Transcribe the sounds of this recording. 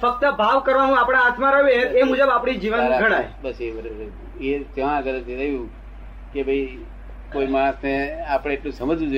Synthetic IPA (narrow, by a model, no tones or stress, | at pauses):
fək̚t̪əbʱaʋkəɾʋanũapɽ̃aɦat̪ʰmãɾəɦeemud͡ʒəbapɽ̃id͡ʒiʋənɾaɡʱəɽ̃ajbəsebəɾɾ | et̪ãaɡəɾət̪ʰiɾəɦijũ | kebʱəi | koimaɾ̃əsneapɽ̃ẽːʈlũsəməd͡ʒũd͡ʒ